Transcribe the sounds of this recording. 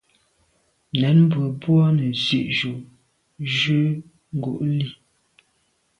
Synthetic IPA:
nɛ˨˦nm˦bə˨bwɔ˦nə˨zi˦˨ʔʒu˨ | ʒʉ˦ | ŋ̩˨ɡu˨ʔli˦˨

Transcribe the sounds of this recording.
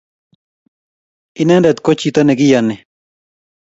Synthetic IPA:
ine˦nɾet̪kot͡ʃit̪a˦ne˨ɡi˦jane˨

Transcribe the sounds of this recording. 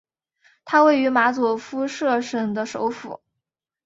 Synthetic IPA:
t̪ʰa˥we˥˩ɪy˧˥ma˧˥t͡su˨˩fu˥ʂɤ˥˧ʂə˨˩ŋd̪ə˦ʂo˧˥ʊfṵ˨˩˦

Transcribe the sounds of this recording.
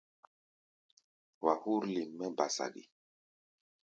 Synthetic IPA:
wa˨hu˦ɾli˨mːɛ˦ba˨sa̰˨ɗḭ˨

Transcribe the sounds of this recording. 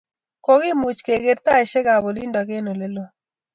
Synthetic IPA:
ko˨ɡɪ˦mu˨t͡ʃke˨ɡe˨ɾt̪a˦ɛ˨ʃe˦ɡa˨bo˨li˦nda˨ɡe˦no˨lɛ˦lo˦

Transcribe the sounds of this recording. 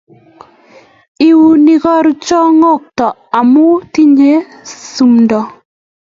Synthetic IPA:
i˦wu˦ni˦kɔ˦ɾt͡ʃɔ˦ŋo˦˨k̚tɔ˨a˨mʊ˦ti˦ɲe˦ | su˨mndɔ˨

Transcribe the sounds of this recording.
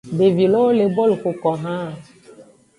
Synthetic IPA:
be˨vi˨lɔ˦o˦le˨bɔ˦lko˨kɔ˨ɦã˦˨

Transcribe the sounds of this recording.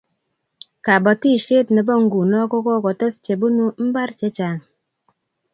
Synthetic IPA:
ka˨bɔ˨ti˦ʃe˦tnɛ˨bɔ˦˨ŋ̩˦ɡu˨nɔ˦kɔ˦kɔ˦kɔ˨tɛ˦st͡ʃe˨bu˦nu˦m̩˦ba˦ɾt͡ʃe˨˦t͡ʃa˨ŋ

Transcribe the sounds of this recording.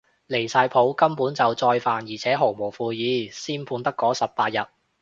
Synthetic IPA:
le˨˩jsaː˧jpʰo˨˥wkɐ˥mpuː˨˥nt͡sɐ˨wt͡sɔː˧jfaː˨njiː˨˩t͡sʰɛː˨˥ɦo˨˩wmo˨˩wfuː˧jiː˨˧˥siː˥npʰuː˧nt̪ɐ˥kːɔː˨˥sɐ˨p̚ːaː˧t̚jɐ˨t̚

